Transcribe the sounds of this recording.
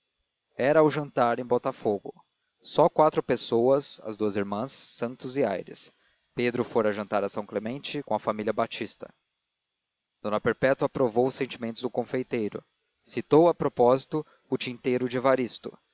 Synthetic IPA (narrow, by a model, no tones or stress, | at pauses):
ɛɾɐwʒɐ̃nt̪aɾẽj̃bɔt̪ɐfoɡʊ̰ | sɔkwat̪ɾʊpesowɐsɐ̰zd̪uɐziɾmɐ̃sːɐ̃nt̪ʊzɪa̰jɾɪ̰s | ped̪ɾʊfoɾɐʒɐ̃nt̪aɾɐsɐ̃w̃klemẽnt͡ʃɪkõɐfamilʲiɐbat͡ʃist̪ɐ̥̰ | d̪̥õnɐpeɾpɛt̪ʊapɾovowʊsːẽnt͡ʃimẽnt̪ʊzd̪ʊkõfejt̪ejɾʊ̰ | sit̪owɐpɾopɔzit̪ʊ | ʊt͡ʃĩnt̪ejɾʊd͡ʒɪvaɾist̪ʊ